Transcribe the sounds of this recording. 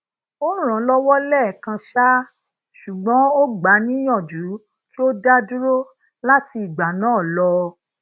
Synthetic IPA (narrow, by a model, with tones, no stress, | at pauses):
o˦ɾ̃ɔ̃˨˦lɔ˦wɔ˦lɛ˦˨kã˧ʃa˦ | ʃu˨ɡ͡bɔ̃˨˦o˦ɡ͡ba˨˦nĩ˦jɔ̃˦˨d͡ʒu˨˦ | ki˦o˦da˦du˦ɾo˦ | la˦ti˧i˨ɡ͡ba˨˦nãː˦˨lɔ˧